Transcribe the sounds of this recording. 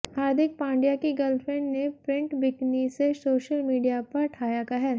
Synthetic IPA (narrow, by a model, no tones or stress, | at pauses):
haːɾd̪ʱɪk̚pãːɳɖijakiɡɐlfɾẽɳɖnepɾɪ̃ɳʈbɪknisesoːʃəlmiːɖijapɐɾʈʰaːjakɐɦɛɾ